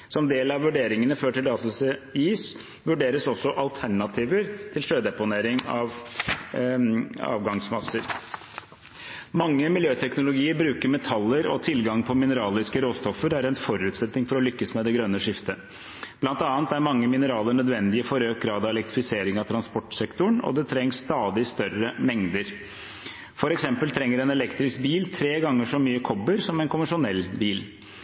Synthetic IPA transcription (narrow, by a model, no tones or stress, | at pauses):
sɔmd̪eːlɑʋʋʉɖeːɾɪŋənəføːʈɪlɑːt̪ʊseiːs | ʋʉɖeːɾəsɔsːɔʔɑlt̪ʰæɳɑt̪ʰiːʋəɾt̪ʰɪlʂøːd̪ɛpʊneːɾɪŋɑ̰ʋ | ɑ̰ːʋɡɑŋsmɑsːəɾ | mɑŋːəmɪljøːt̪ʰɛknʊlʊɡiːəɾbɾʉːkəɾmɛt̪ʰɑlːəɾɔ̰t̪ʰɪlɡɑŋpʰɔmɪnəɾɑːlɪskəɾoːst̪ɔfːəɾæɾɛnfɔɾʉːt̪sɛt̪nɪŋfɔɾɔlʏkːəsmɛd̪ɛɡɾœnːəʂɪft̪ə | b̥lɑnt̪ɑːnt̪æɾmɑŋːəmɪnəɾɑːləɳœd̪ʋɛnd̪ɪəfɔɾøːk̚ɡɾɑːd̪ɑʋɛlɛkt̪ɾɪfɪseːɾɪŋɑt̪ʰɾɑnspɔʈːsɛkt̪ʊɳɔ̰d̪ɛt̪ʰɾɛŋːsːt̪ɑːd̪ɪst̪œrəmɛŋd̪əɾ | fɔɾɛksɛmpəlt̪ʰɾɛŋːəɾɛnɛlɛkt̪ɾɪsk̚biːlt̪ʰɾeːɡɑŋːəʂɔmyːəkʰɔbəɾsɔmɛnkʊməʂʊnɛlbiːl